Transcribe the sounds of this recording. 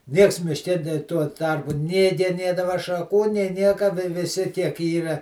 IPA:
ˈnʲiɛks mʲɪʃʲˈkʲɛ nʲeː tuɔ ˈtɐrpʊ nʲeː ɡʲɛˈnʲeːdɐʋɐ ʃɐˈkuː nʲeː ˈnʲiɛkɐ ʋʲɪ ʋʲɪˈsʲɪ kʲiɛk ˈiːrɐ

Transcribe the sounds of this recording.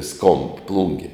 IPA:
skoːmp ˈplˠʊŋʲɡʲɪ

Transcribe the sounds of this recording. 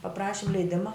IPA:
pɐˈprɑːʃʲɪm lʲɛɪˈdʲɪmɐ

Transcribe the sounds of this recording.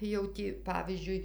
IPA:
jɛʊ ˈtʲiː ˈpɑːʋʲiːzʲd͡ʒʲʊɪ

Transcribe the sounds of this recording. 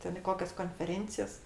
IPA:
ˈtʲɛn ɪ ˈkoːkʲɛs koːnʲfʲɛˈrʲeːnʲt͡sʲɪjɛs

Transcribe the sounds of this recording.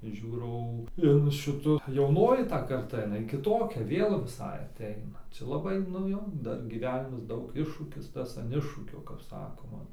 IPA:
ˈʒʲuːrɐʊ ɪn ˈʃʲɪtʊ jɛʊˈnoːjɪ tɐ kɐrˈtɐ ɪˈnɐɪ kʲɪˈtoːkʲɛ ˈʋʲeːlˠ ʋʲɪˈsɐɪ ɐˈtʲɛɪnɐ ˈt͡ʃʲɛ lˠɐˈbɐɪ nʊ ˈjoː ˈdɐr ɡʲiːˈʋʲæːnʲɪmɐs ˈdɐʊk ˈɪʃʃuːkʲɪs ˈtɐs ɐn ˈɪʃʃuːkʲoː kɐp ˈsɑːkoːmɐ

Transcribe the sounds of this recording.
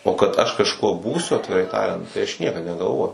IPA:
oː kɐt ɐʃ kɐʃˈkuɔ ˈbuːsʲʊ ɐtʲʋʲɪˈrɐɪ ˈtɑːrʲɛnt tɐɪ ˈɐʃ ˈnʲiɛkɐt nʲɛɡɐlˠˈʋoːjɛʊ

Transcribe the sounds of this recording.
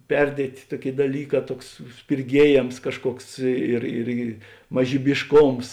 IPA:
ˈpʲɛrʲdʲiɛtʲeː ˈtuɔˌkʲeːɪ dɐˈlʲiːˌkɑː ˈtuɔks sʲpʲɪrʲˈɡʲiɛjeːms ˈkɑːʃˌkuɔks ɪr ˈɪrʲɡʲɪ mɐʒʲiːbʲɪʃˈkoːms

